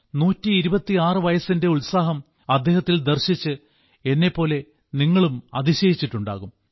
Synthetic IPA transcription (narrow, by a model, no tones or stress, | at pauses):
nuːtːiːɾubɐt̪ːiaːrɨʋɐjɐsinde̞uɭsaːɦɐm | ɐd̪ːe̞ːɦɐt̪ːild̪erɕit͡ɕːɨ | e̞nːe̞pːo̞ːle̞ | niŋːɐɭumɐ̰d̪iɕɐjit͡ɕːiʈːuɳɖa̰ːɣum